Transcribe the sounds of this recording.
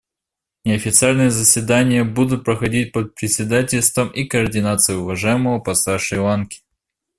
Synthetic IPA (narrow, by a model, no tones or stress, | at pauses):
nʲɪɐfʲɪt̪sɨalʲnɨjəzəsʲvʲɪd̪anʲɪjəbud̪ʊt̪̚pɾəxɐdʲit̚ʲpət̪̚pɾʲɪsʲɪd̪atʲɪlʲst̪vəmʔikəːrdʲɪnat̪sɨjʊʊvɐʐajɪməvəpɐsaʂɨjlˠankʲɪ̥